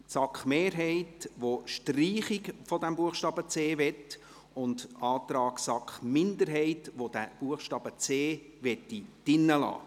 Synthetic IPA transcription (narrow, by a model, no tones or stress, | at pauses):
sɑkχmeːɾɦɛɪtʋoʃtriːχɪkfodɛmbuəχʃtɑːbət͡seːʋɛt | ʊndɑːt̪ɾɑːksɑkχmɪndəɾɦɛɪtʋod̥æb̥uəχʃtɑːb̥ət͡seː | ʋɛtːid̥ɪnːəlɑ̰ː